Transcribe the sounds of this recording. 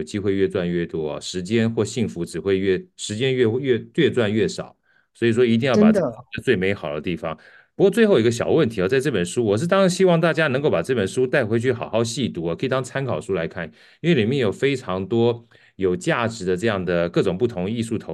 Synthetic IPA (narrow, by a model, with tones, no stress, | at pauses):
o˨˩ʊt͡ɕi˥xwe˥˧ɪɥɛ˥˧t͡swa˥˧nɥɛ˥˩t̪wɔ˥ɐ̰˨ʂɻ̩˧˥t͡ɕjɛ˥nxwɔ˥˧ɕi˥˩ŋfu˧˥ʈ͡ʂɻ̩˨˩xwe˥˧ɪɥɛ˥˩ʂɻ̩˧˥t͡ɕjɛ˥nɥɛ˥˧ɥɛ˥˧ɥɛ˥˧t͡swa˥˧nɥɛ˥˩ʂɑ˨˩˦ʊ | swɔ˧˥i˨˩ʂwɔ˥i˧˥t̪i˥˧jɑ˥˩pa˨˩˥ə˧t͡swe˥˩ɪme˧˥ɪxɑ˨˩ʊd̪ə̰˦t̪i˥˩fɑ˩˦ŋ | pu˧˥kwɔ˥˧t͡swe˥˧xo˨˧˥ɡə˧ɕjɑ˨˩ʊwə˥˩nt̪ʰi˧˥ɔ˧˩t͡sa˥˧ɪʈ͡ʂɤ˥˩pə˨˩nʂu˥wɔ˨˩ʂ̬̩˥˩t̪ɑ˥ŋɕi˥wɑ˥˧ŋt̪a˥˩t͡ɕja˥nə˧˥ŋko˥˩ʊpa˨˩ʈ͡ʂɤ˥˩pə˨˩nʂu˥t̪a˥˩ɪxwe˥t͡ɕʰy˥˩xɑ˨˩ʊxɑ˥˧ʊɕi˥˩t̪u˧˥˩kʰɤ˧˥i˨˩t̪ɑ˥ŋt͡sʰa˥nkʰɑ˨˩ʊʂu˥la˧˥ɪkʰa˥˩n | i˥nwe˥˩ɪli˨˩mjɛ˥˩njo˨˩ʊfe˥ɪʈ͡ʂʰɑ˧˥ŋt̪wɔ˥ | jo˨˩ʊt͡ɕja˥˩ʈ͡ʂɻ̩˧˥d̪ə˧ʈ͡ʂɤ˥˧jɑ˥˩ŋd̪ə˩kɤ˥˩ʈ͡ʂʊ˨˩ŋpu˥˩t̪ʰʊ˧˥ŋi˥˧su˥˩t̪ʰo˧˥